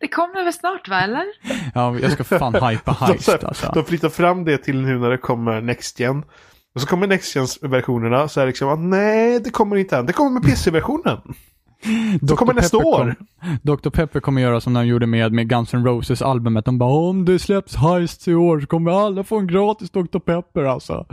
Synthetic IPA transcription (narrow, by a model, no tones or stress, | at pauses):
d̪̥ɛkʰɔmːəvɛlsnɑːʈvaɛlːəɾɑːjɑ̰skaffaːnhajpahajsa̰lsɔ̰d̪ɔmflʏt̪ːaɾfɾamːd̪ɛt̪ʰɪlnʉnæɖɛkʰɔmːəɾnɛkst̪jɛn | ɔsɔkʰɔmːəɳɛkst̪jɛnsvæɾɧuːnəɳasɔɛɾlɪksɔmat̪nɛɪd̪ɛkʰɔmːəɾɪnt̪əɛnd̪ɛkʰɔmːəɾmɛpʰeːsɛvæɾɧuːnən | d̪ɛɔkʰɔmːəɾɳɛst̪aoːd̪ɔk̚t̪ʊɾpʰɛpːəɾkʰɔmːəɾjœːɾasɔmnɔmjuːɖəmeːd̪meɡansɔnɾoʊsəsa̰lbɵmət̪̚d̪ɔmbɑːɔmd̪ɛslɛpsɦajst̪ɪoːɾʂɔ̥kʰɔmːəɾalːafoːɛnɡɾɑːt̪ɪsd̪ɔkt̪ʊɾpʰɛpːəɾalsɔ̰